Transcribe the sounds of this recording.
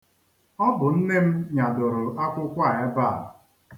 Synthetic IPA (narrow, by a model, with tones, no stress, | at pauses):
ɔ˦bʊ˨n̩˦ne˦m̩˦ɲa˨dʊ˨ɾʊ˨ʔa˦kʷʊ˦kʷa˦˨e˦ba˦˨